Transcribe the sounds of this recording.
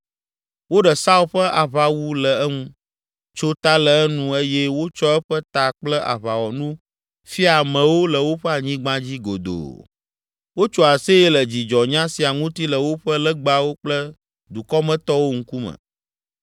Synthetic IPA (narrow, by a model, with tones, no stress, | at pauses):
wo˦ɖɛ˨sa˦u˦ɸə˦ʔa˨βa˨wu˦lə˨ɛ˦ŋũ˦ | t͡ʃo˦t̪a˦lə˨ɛ˦nũ˦e˦jɛ˦wo˦t͡ʃɔ˦ɛ˦ɸɛ˦t̪a˨k͡plə˦ʔa̰˨βa˨wɔ˨nũ˦ | fi˦a˨mɛ̃˨wo˦lə˨wo˦ɸɛ˦a˨ɲĩ˦ɡ͡bã˦d͡ʑi˦ɡo̰˨d̪o̰˨ | wo˦t͡ʃɔ˦a˨se˦je˦lə˨d͡ʑi˨d͡ʒɔ˨ɲã˦si˨a˨ŋũ˦t̪i˦lə˨wo˦ɸə˦lə˦ɡ͡ba˦wo˦k͡plə˦ | d̪u˨kɔ˦mɛ̃˦t̪ɔ˦wo˦ŋ̩˦ku˦mə̰̃˨